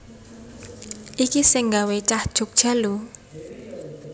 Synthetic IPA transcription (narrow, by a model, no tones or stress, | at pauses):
ʔikisɪŋɡawet͡ʃahd̥ʒ̥o̤k̚d̥ʒ̥a̤lu